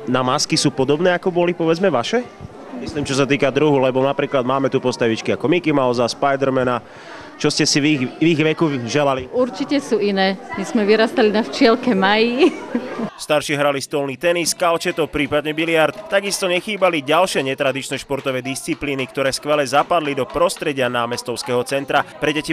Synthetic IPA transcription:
namaskisuːpɔd̪ɔbnɛːakɔbɔlipɔʋɛd͡zmɛʋaʃɛ | misliːmt͡ʃɔs̬at̪̬iːkad̪ɾuɦulɛbɔnapɾiːklad̪maːmɛt̪upɔst̪aʋit͡ʃkiakɔmikimaɔzaspajd̪ɛɾmɛna | t͡ʃɔscɛsiʋiʋiɣʋɛkuʒɛlaliuɾt͡ʃicɛsuːinɛːmizmɛʋiɾast̪alinaft͡ʃɪɛlkɛmaji | st̪aɾʃiɦɾalist̪ɔlniːt̪ɛniskalt͡ʃɛt̪ɔpɾiːpad̪ɲɛbilɪaɾt̪t̪aɡist̪ɔɲɛxiːbaliɟalʃɪɛɲɛt̪ɾad̪it͡ʃnɛːʃpɔɾt̪ɔʋɛːd̪ist͡sipliːnikt̪ɔɾɛːskʋɛlɛzapad̪lid̪ɔpɾɔst̪ɾɛɟɪanaːmɛst̪ɔʊskɛːɦɔt͡sɛnt̪ɾapɾɛɟɛci

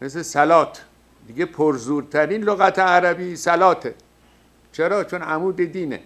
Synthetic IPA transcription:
meslesælɒːt̪ʰ | d̪iɡepʰoɾzuːɾt̪ʰæɾiːnloɣæt̪ʰeæɾæbiːsælɒːt̪ʰe | t͡ʃʰeɾɒːt͡ʃʰonʔæmuːd̪ed̪iːnḛ

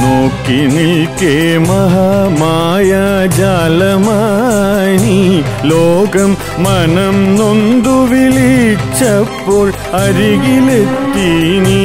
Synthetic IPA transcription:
moːkːinikemɐɦamajad͡ʒaːlɐmaːniloːɣɐmː | ɐnɐmnond̪uʋilit͡ʃːɐpːoːɻ | ɐɾiɣilet̪ːiːni

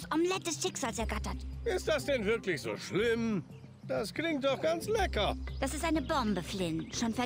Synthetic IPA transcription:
sʔɔmlɛt̚d̥ɛsʃɪkz̥aːlsɛɐɡatɐtʔɪstd̥asd̥ɛnvɪɐklɪçz̥o̰ːʃlɪm | d̥asklɪŋt̚d̥ɔχɡ̥ant͡slɛkɐd̥asɪstʔaɪnəbɔmbəflɪnʃoːnfɛɐ

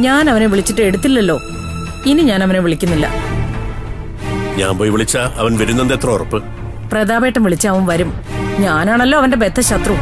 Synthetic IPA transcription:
ɲaːnɐʋɐne̞ʋiɭit͡ɕːiʈːɨe̞ɽut̪ːilːɐlːo̞ː | iniɲaːnɐʋɐneʋiɭikʲːunːilːɐ̰ | ɲa̰ːmpoːjʋiɭit͡ɕːaɐʋɐnʋɐɾunːend̪et̪rɐrɐpːɨ | prɐd̪aːbeːʈːɐmʋiɭit͡ɕːɐɐʋɐmʋɐɾumɲaːnaːɳɐlːo̞ːɐʋɐnde̞be̞t̪ʰːɐɕɐt̪rɐ

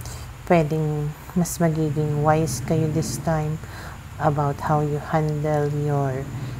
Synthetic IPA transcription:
pwɛd̪ɪŋ | mɐsmɐɡiːɡɪŋwajskɐjod̪ɪst̪ãjm | ʔɐbawt̪̚hawjʊhãnd̪ɛljɔɹ

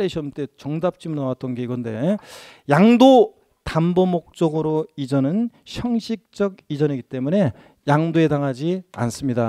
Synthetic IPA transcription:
eɕʰʌmt͈e̞t͡ɕʌŋdap̚t͡ɕ͈imɯnawat̚t͈ʌnɡe̞iɡʌnde̞̰ | jaŋdo | tambomok̚t͡ɕ͈ʌɡɯɾoid͡ʑʌnɯn | ɕʰjʌŋɕʰik̚t͡ɕ͈ʌɡid͡ʑʌniɡit͈e̞mune̞ | jaŋdoe̞daŋɦad͡ʑia̰ns͈ɯmɲida

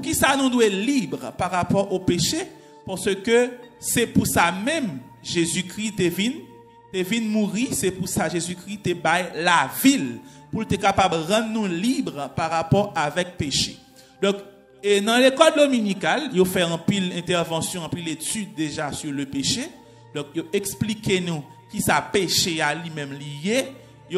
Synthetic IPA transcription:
kisanũd̪welibʁpaʁapɔʁopeʃe | paʁsøkøsɛpusamɛ̃m | ʒezykʁit̪evin | t̪evinmuʁisɛpusaʒezykʁit̪ebajlavil | pult̪ɛkapabʁɑ̃d̪nũlibʁpaʁapɔʁavɛk̚peʃḛ | d̪ɔ̃k | enɐ̃lekɔld̪ominikaljofɛɑ̃pilɛ̃t̪ɛʁvɑ̃sjɔ̃ɑ̃pilet̪yd̪̚ːeʒasyʁløpeʃe | d̪ɔ̃kjoʔeksplikenũ | kisapeʃealimɛ̃mlije | jo

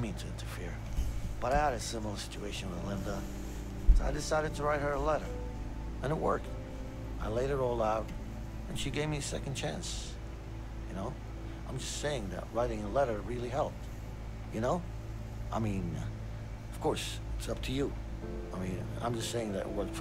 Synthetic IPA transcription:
mĩntʰɨɪ̃ntʰɨ˞fɪ̰ɹ | b̥ʌɾaɪɨɾɨsɪ̃ml̩ˠə˞sɪ̥t͡ʃueɪʃɨ̃nwəðəlɪ̃ndə | sa̰ɪdɨsaɪɾɨd̚tʰəɹaɪt̚hə˞əlɛɾə˞ | ɨ̃nəʔ̚wɜ̰˞k̚ | ʔaɪleɪɾɨɾɔlˠaʊɾ | ɨ̃nʃiɡeɪvmiɨsɛ̰kn̩t͡ʃʰæ̰̃ns | jɨnoʊ | ã̰ɪ̃md͡ʒʌstseɪɪ̃ŋðɨ̰t̚ɹaɪɾɪ̃ŋəlɛɾə˞ɹɪlˠiɦɛlˠp̚ | jɨnoʊ | ʔaɪmĩn | ʌv̥kʰɔɹs | ɪtsʌp̚tʰɨjɨ | aɪmĩn | ã̰ɪ̃md͡ʒʌstseɪɪ̃ŋðɨ̰ɾɨ̰ʔwə˞d̥f

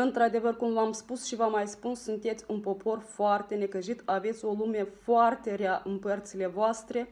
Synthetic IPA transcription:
ɨnt̪ɾad̪e̞vərkumvamspusʃivamajspunssunt̪e̞t̪sʲunpo̞pʰo̞rfoart̪e̞ne̞kəʒit̪ave̞t̪sʲo̞lume̞foart̪e̞ɾeaʔɨnpərt̪sile̞voast̪ɾe̞

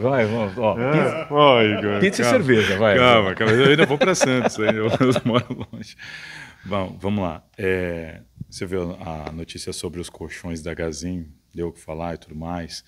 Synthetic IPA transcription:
vajvɐ̃mɔiɔiɡapĩsɪseɾvezɐvajkavɐkavɐwĩd̪ɐvowpɾɐsɐ̃t̪ʊ̥saĩd̪ewezmɔɾɐlõʒɪvɐ̃w̃vɐ̃mʊla̰ɛ | sevewɐɐnot͡ʃisiɐsobɾɪʊskʰoʃõj̃zd̪ɐɡazĩ | d̪ewkɪ̥falaɪt̪ud̪ʊmajs

